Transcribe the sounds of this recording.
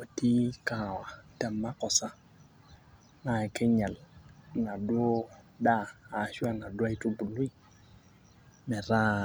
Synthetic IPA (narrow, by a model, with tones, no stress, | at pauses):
o˨ti˦ka˨wa˨tɛ˨mːa˦kɔ˨sa˦ | ma˨ke˦ɲa˨lŋa˨dwo˦ | daː˦˨ʃa˦ŋa˨dwa˦i˦tu˦bu˨lu˦i˦˨ | mɛ˨ɾa˦